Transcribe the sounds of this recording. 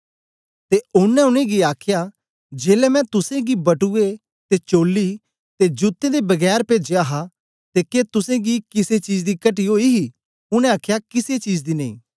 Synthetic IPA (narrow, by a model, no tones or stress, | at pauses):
t̪eʊnɛ̃ʊnẽɡiaːkʰja | d͡ʒeːlɛmɛ̃t̪ʊsẽɡibɐʈue | t̪et͡ʃoːlːi | t̪ed͡ʒʊt̪ːẽd̪ebɐɡɛːɾpeːd͡ʒeaːɦa | t̪eːket̪ʊsẽɡikɪset͡ʃiːd͡ʒd̪ikɐʈ̬iɦoːiɦi | ʊñɛ̃aːkʰjakɪset͡ʃiːd͡ʒd̪inɐḭ̃ː